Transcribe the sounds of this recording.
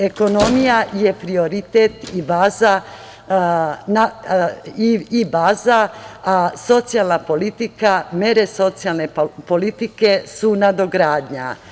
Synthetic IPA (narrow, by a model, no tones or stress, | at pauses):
e̞ko̞no̞mijaje̞pɾio̞ɾit̪et̪ibaːza | na | iibaːzaaso̞t̪sijalˠnapo̞lit̪ikameɾe̞so̞t̪sijalˠne̞po̞lit̪ike̞sunad̪o̞ɡɾaːd̪ɲa̰